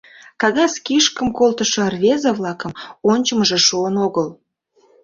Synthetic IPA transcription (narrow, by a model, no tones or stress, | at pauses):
kɑɣɑskʲiʃkə̆mkolˠt̪əʃɤ̆rvʲezəvlˠɑkə̆monʲt͡ɕə̆məʒĕʃuənoɣəl